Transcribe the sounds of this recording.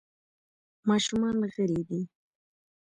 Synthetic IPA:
mɑʃʊmɑnɣəɾid̪i

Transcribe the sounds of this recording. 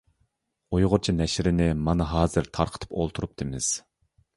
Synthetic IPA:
ojʁʊɾt͡ʃʰinɛʃɾɪnɪmɑnɨɦɑːzɨɾt̪ʰɑɾqʰə̥t̪ʰɨ̥polˠt̪ʰuɾup̚d̪ʰɨmɪz̥

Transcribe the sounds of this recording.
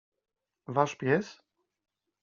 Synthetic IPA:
vaʂpʲjɛs

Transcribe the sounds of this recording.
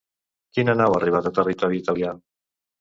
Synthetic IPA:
kinənawariβ̞at̪at̪ərit̪ɔɾiːt̪alia

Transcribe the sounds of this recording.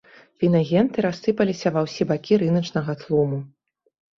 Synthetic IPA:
vʲinɐɣʲɛnt̪ɨɾasːɨpɐlʲisʲɐvɐwsʲibakʲiɾɨnɐt͡ʂnɐɣɐt̪lˠumu

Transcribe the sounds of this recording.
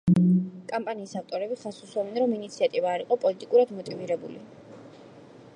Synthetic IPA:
kʼampʼaniːsaft̪ʼɔɾɛbiχasusɔvɛnɾɔminit̪sʰiat̪ʼivaːɾiqʼɔpʼɔlit̪ʼikʼuɾad̪mɔt̪ʼiviɾɛbṵlḭ

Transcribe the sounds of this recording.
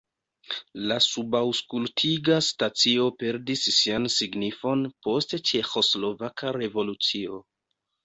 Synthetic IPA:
lasubawskultʰiɡastat͡sio̞pe̞ɾdisːiansiɡnifo̞npo̞stt͡ʃe̞xo̞slo̞vakʰaɾe̞vo̞lut͡sio̞̰

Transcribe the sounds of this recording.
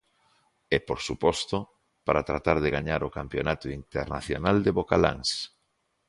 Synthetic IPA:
ɛpoɾsupɔst̪ʊ | paɾat̪ɾat̪aɾðɪɣaɲaɾokampjonat̪oint̪eɾna̰θjo̰nald̪eβokala̰ŋs

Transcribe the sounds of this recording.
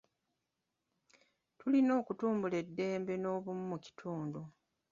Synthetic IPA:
tulino̞ːkutuːmbule̞dːe̞ːmbe̞no̞ːβumumuci̥tʰuːndu

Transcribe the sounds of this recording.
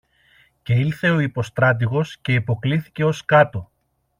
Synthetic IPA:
ce̞ilθe̞o̞ipo̞st̪ɾɐt̪̬iɣo̞sce̞ipo̞kliθi̥ce̞o̞skɐt̪o̞

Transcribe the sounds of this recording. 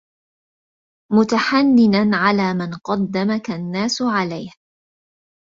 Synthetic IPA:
mʊt̪aħanːɪnanʕalaːmanqɑd̪ːamakanːaːsʕalajh

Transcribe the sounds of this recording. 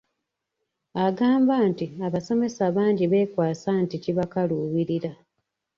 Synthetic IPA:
aɡaːmbaːntiaβaso̞me̞saβaːɲɟiβe̞ːkwaːsanticiβakaluːwiɾiɾa

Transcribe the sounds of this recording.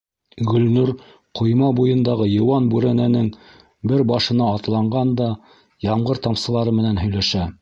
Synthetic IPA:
ɡɵ̆lnʉɾ | qʰŏjmɑbujɤ̆nd̪ɑʁɤjɤ̆wɑnbʉɾænænɘŋ | bɘɾbɑʃɤ̆nɑːt̪lˠɑɴɢɑnd̪ɑ | jɑɴɢɤɾt̪ɑmsɤ̆lˠɑɾɤmɘ̆nænɦɵ̆jlæʃæ

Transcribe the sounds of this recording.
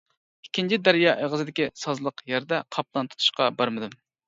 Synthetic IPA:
ikʲʰːint͡ʃʰid̪æɾjɑːʔeʁəzɨd̪ɪkʲisɑzlˠəqjæɾd̪ɛqʰɑp̚lˠɑnt̪ʰu̥t̪ʰu̥ʃqɑbɑɾmɨd̪ɨm

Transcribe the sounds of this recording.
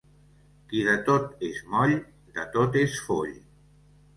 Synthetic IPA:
kiðət̪ot̪ezmɔʎ | d̪ət̪ot̪esfo̰ʎ

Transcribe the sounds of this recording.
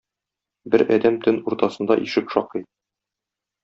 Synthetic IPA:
bɘɾɒd̪æmt̪ɵnuɾt̪ɑsɤ̆nd̪ɑʔiʃɘkʃɒqɤ

